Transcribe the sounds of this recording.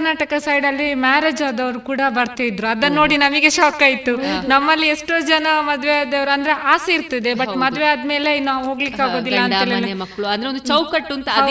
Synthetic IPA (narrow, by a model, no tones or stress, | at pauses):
naːʈɐkɐsɐjɖɐlːimaːɾeːd͡ʒaːd̪ɐʋɾukuːɽɐbɐɾt̪iid̪ɾuɐd̪ɐnːo̞ːɽinɐmiɡeʃaːkaːjit̪unɐmːɐlːieʂʈoːd͡ʒɐnɐmɐd̪ʋead̪ɐʋɐɾuɐnd̪ɐɾe̞ʔaːseiɾt̪ɐd̪ebɐʈmɐd̪ʋead̪me̞ːleinːaːʋɦoːɡlikːaːɡo̞ːd̪ilːɐɐneːlelɐmɐkːɐɭuɐnd̪ɐeond̪ut͡ʃɐwkɐʈːunt̪ɐɦɐ